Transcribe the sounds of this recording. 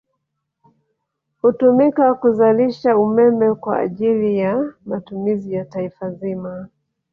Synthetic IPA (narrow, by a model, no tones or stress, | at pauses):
hutumikakuzaliʃaumɛmɛkwa̰ːʄilijamatumizijataifazima